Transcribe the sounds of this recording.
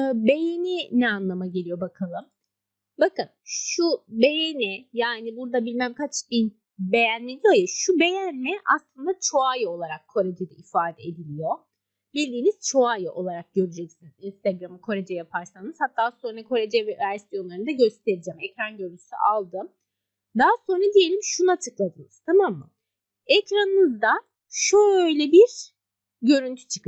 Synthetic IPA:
be̞jeninɛanlˠamaɟe̞lʲijo̞bakʰalˠɯm | bakɯnʃʃube̞jenijaːnibuɾd̪abilʲmæmkʰat͡ʃbin | be̞jænːʲed̪ijojɛʃube̞jænmɛʔaslˠɯnd̪at͡ʃʰo̞ajɯo̞lˠaɾakʰːo̞ɾed͡ʒid̪ɛʔifaːd̪ɛed̪ilʲijo̞ | bilʲd̪ʲiːniz̥t͡ʃʰo̞ajɯʔo̞lˠaɾak̚ɟø̞ɾyd͡ʒɛcsinizinst̪aɡɾamɯkʰo̞ɾed͡ʒɛjapʰaɾsanɯz̥hat̪ʰːaːso̞nɾakʰo̞ɾed͡ʒɛvɛvæɾsijo̞nlˠaɾɯnd̪aɟø̞st̪ʰe̞ɾid͡ʒɛmɛcɾanɟøɾynʰy̥sy̰ʔalˠd̪ɯm | d̪aso̞nɾad̪ije̞lʲimʃunat͡ʃʰɯklˠad̪ɯnɯz̥t̪ʰamamːɯ̰ | ɛcɾanɯnɯzd̪a | ʃuøjlʲɛbiɾ | ɟø̞ɾynt̪ʰy̥t͡ʃʰɯ̥kɯ

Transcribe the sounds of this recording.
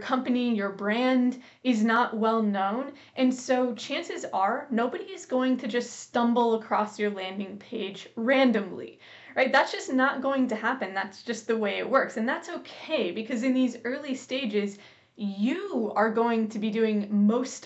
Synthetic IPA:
kʰʌ̃mpɨnijə˞bɹæ̃nd | ɨznəʔwɛlˠnõʊ̃n | ʔɨ̃nsoʊt͡ʃʰæ̃nsɨzə˞noʊbɨɾiɨzɡoʊɪ̃ŋtʰɨd͡ʒʌststʌ̃mbl̩ˠəkʰɹ̥ɔsjə˞læ̃ndɪ̃ŋpʰeɪd͡ʒɹæ̃ndɨ̃mlḭ | ɹaɪt̪̚ðætsd̥ʒ̥ʌsnət̚ɡ̥oʊɪ̃ŋtɨhæpɨ̃nðætsd̥ʒ̥ʌst̪̚ðəweɪɨ̰ʔ̚wɜ˞ksɨ̃nðætsoʊkʰeɪbɨkʰʌzɨ̃nðizɜ˞lˠisteɪd͡ʒɪz | jɨə˞ɡoʊɪ̃ŋtʰɨbidʉɪ̃ŋmoʊs

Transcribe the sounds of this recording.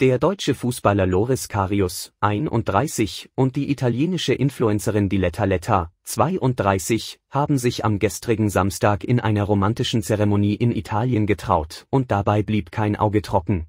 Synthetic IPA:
d̥eːɐdɔʏt͡ʃəfuːsb̥alɐloʁɪskʰaːʁiʊsʔaɪnʔʊ̰nt̚d̥ʁaɪsɪçʔʊnt̚d̥iːʔitʰaljeːnɪʃəʔɪnfluɛnt͡səʁ̞ɪndilɛtʰalɛtʰat͡sv̥aɪʔʊnt̚d̥ʁaɪsɪçhaːbm̩zɪçʔa̰mɡɛstʁ̥ɪɡŋ̩zamstʰaːkɪnʔaɪnɐʁomantɪʃn̩t͡sɛʁɛmoniːʔɪnḭtʰaːljənɡətʁ̥a̰ʊtʔʊnt̚d̥abaɪbliːpkʰaɪnʔa̰ʊɡətʁ̥ɔkŋ̩

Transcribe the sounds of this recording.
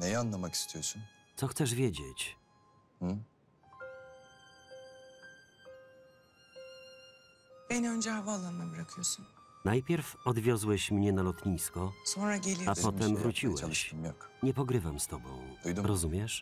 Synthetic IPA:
nɛjanːamaki̥st̪ʰijɔʃu | t̪sɔxt̪sɛʐvʲjed͡ʑet͡ɕ | h̩ | b̥ɛnønd͡ʒɛhavaalˠːanmabɯɾakʰɯjosunnajpʲjɛɾfɔd̪vʲjɔzwɛɕmɲɛnalɔt̪ɲiskɔsonɾaɟelʲijapɔt̪ɛmvɾut͡ɕiwɛakɲɛpɔɡɾɘvamst̪ɔbɔ̰̃w̃ujd̪uɾɔzumʲjɛʂ

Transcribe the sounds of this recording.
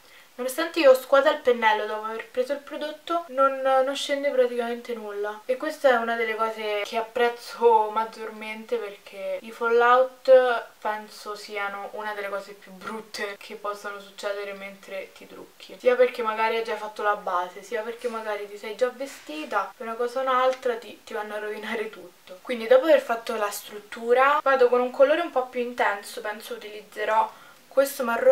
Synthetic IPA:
nonost̪ant̪eioskwaːt̪ailpenːɛlːod̪ɔːpoaverpɾeːzoilpɾod̪ot̪ːononːoʃːend̪epɾat̪ikament̪enulːaekːwest̪aɛunad̪elːekɔːzekʰeapːɾɛt̪sːomad͡ʒːorment̪eperk̟ʰeifolːawt̪pɛnsosiːanoʔunad̪elːekɔːzepjubɾut̪ːekʰepːɔsːanosut͡ʃːɛːd̪eɾement̪ɾet̪it̪ɾṵkʰːisiːaperk̟emːaɡaːɾiad͡ʒːajfat̪ːolabːaːzesiːaperk̟emːaɡaːɾit̪isɛjd͡ʒavːest̪iːt̪apunakɔːzaunalt̪ɾat̪it̪ivanːoarːovinaːɾet̪ut̪ːokwind̪id̪ɔːpoaverfat̪ːolast̪ɾut̪ːuːɾavaːd̪okonuŋkʰoloːɾeumpɔpːjuint̪ɛnsopɛnsout̪ilid̪zːeɾɔ | kwest̪omaro

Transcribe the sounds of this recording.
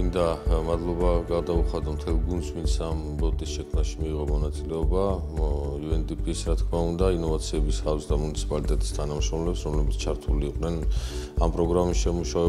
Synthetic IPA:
mind̪amad̪lˠɔbaɡad̪auχad̪ɔmt̪ʰɛlˠɡund̪smint̪sʰam | bɔt̪ʼisʃɛkʰmnaʃimiːʁɔmɔnat̪sʼilɛɔba | juɛnt̪ʼipʼisɾat̪kʰmaund̪ainɔvat̪sʰiɛbisasd̪amunit̪sʰi̥pʼalit̪ʼɛt̪ʼi̥st̪ʰanamʃɾɔmlɛpsɾɔmlɛbit̪sʰt͡ʃʰaɾt̪ʰuliːqʼnɛnampʼɾɔɡɾamisʃɛmuʃaɛ

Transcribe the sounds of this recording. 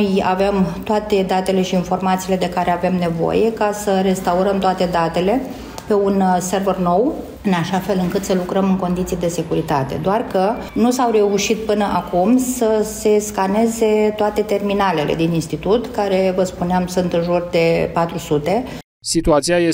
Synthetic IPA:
ja̰vemt̪oat̪e̞d̪at̪e̞le̞ʃiːnfo̞rmat̪siːle̞d̪e̞kaɾe̞ave̞mne̞vo̞̰je̞kasəɾe̞st̪auɾəmt̪oat̪e̞d̪at̪e̞le̞ | pe̞unse̞rverno̞w | ɨnaʃafe̞lɨŋkɨt̪səlukɾəmɨŋko̞nd̪it̪sijd̪e̞se̞kuɾit̪at̪e̞̰d̪oarkə | nusawre̞uʃit̪̚pɨnəʔakumsəse̞skane̞ze̞t̪oat̪e̞t̪e̞rminale̞le̞̰d̪ininst̪it̪ut̪kaɾe̞vəspuneamsunt̪ɨnʒurd̪e̞pat̪ɾusut̪e̞ | sit̪uat̪siaje

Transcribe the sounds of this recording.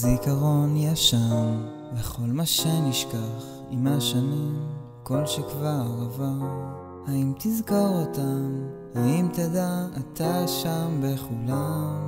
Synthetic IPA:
zikaʁo̞njaʃam | beχo̞lmaʃeniʃkaχ | imaʃanim | ko̞lʃekvaʁava | haimt̪izkoʁotam | haimt̪adaːt̪aʃambe̞χulam

